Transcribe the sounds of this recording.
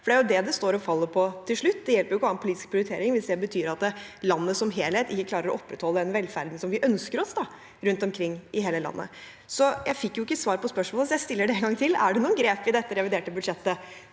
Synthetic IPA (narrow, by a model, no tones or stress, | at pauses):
fɔɖɛæɾjʊd̪ɛd̪ɛst̪oːɾɔfɑlːəɾpʰɔt̪ʰɪlʂɭʉt̪ːd̪ɛjɛlpəɾjʊkːɑːnpʊliːt̪ɪ̥sk̚pʰɾɪʊɾɪt̪ʰeːɾɪŋʋɪsd̪ɛbət̪ʰyːɾɑt̪ːlɑnːəsɔmɦeːlheːt̪ɪkːəklɑːɾəɾɔɔpːɾət̪hɔlːəɛnʋɛlːfæ̰ɾd̪n̩sɔmʋɪʔœnskəɾɔsd̪ɑ | ɾʉnt̪ɔmkʰɾɪŋːɪɦeːləlɑ̰nːə̰ | sɔjʔæɪfɪkːjʊɪkːəsʋɑːɾpʰɔspœʂmolsɔjæɪst̪ɪlːəɖɛɛnɡɑŋt̪ʰɪlæ̰ɖɛnuːənɡɾeːpɪd̪ɛt̪ːəɾɛʋɪd̪eːʈəbʉd̪ʂɛt̪ːə